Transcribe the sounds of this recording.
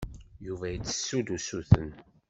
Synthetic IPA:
juvæjət͡sːə̥sːud̪usuθə̰n

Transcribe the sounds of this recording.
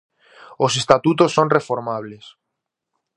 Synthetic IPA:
osest̪at̪ut̪osːonrefoɾmaβ̞les

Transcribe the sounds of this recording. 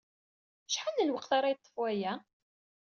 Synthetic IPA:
ʃħanəlwəqθaɾˤɑjət̪ˤːə̥fwæjæ

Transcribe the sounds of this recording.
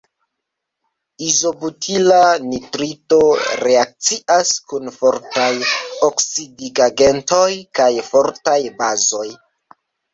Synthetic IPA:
izo̞butʰilanitɾito̞ɾe̞ak̚t͡siaskunfoɾtajoksidiɡaɡento̞jkajfoɾtajbazo̞j

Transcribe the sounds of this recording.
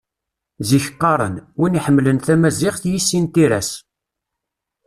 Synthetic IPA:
ziçqːɑɾˤə̰nwiniħəmːlənθæmæziʁθjisːint̪iɾæ̰s

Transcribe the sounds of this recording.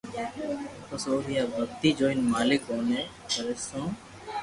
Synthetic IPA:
pəsoːɾijaːbəkt̪iːd͡ʒoːɪnmaːlɪkoːneː | kəɾesõː

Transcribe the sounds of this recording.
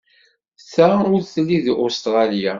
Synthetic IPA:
θʁaʊɾθəlːiðʔʊst̪ʁɑlja

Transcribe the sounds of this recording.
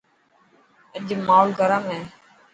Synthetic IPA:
əʄmaːlɡʱəɾəmẽː

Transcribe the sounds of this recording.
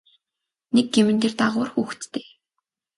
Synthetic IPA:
nek̚ɡemɘ̆nt̪eːrt̪aʁʊːrxuːxt̪t̪eː

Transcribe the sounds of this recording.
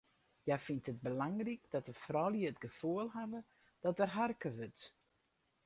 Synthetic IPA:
jafintət̚bəlaŋrik̚dɔtəfrɔljəətɡəfuəlˠɦadə | d̥ɔtərɦarkəʋøt

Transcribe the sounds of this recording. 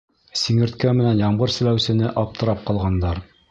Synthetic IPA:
siŋɘ̆ɾt̪kæmɘ̆nænjɑɴɢɤɾsɘ̆læwsɘ̆nɘʔɑp̚t̪ɤ̆ɾɑp̚qɑlˠʁɑnd̪ɑɾ

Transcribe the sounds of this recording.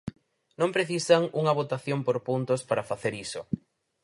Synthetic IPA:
nõmpɾeθisɐŋuŋɐβ̞ot̪aθjompoɾpunt̪ʊspaɾɐfaθeɾisʊ̰

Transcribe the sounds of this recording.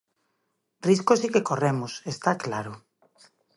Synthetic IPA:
riskosikekoremʊsest̪aklaɾʊ

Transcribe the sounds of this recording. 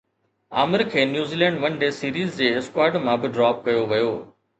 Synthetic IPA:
a̰ːmɪɾkʰeːnjuːziːlɛ̃ːɳɖʋɐnɖeːsiːɾiːzd͡ʑeːɪskwaːɾɖmãbɪɖɾaːp̚kɐjoʋɐjoː

